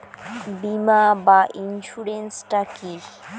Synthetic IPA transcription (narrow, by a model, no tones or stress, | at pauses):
bimabaʔinʃuɾensʈakiɾ